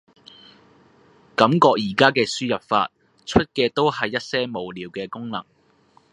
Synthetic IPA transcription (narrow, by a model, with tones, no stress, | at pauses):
kɐ˨˥mkɔː˧k̚jiː˨˩kaː˥kɛː˧syː˥jɐ˨˩p̚fa̰ː˧t̚ | t͡ʃʰɵ˥t̚kɛː˧t̪o˥whɐ˨jːɐ˥t̚sɛː˥mo˨˩wliː˨˧wkɛː˧kʊ˥ŋnɐ̰˨˩ŋ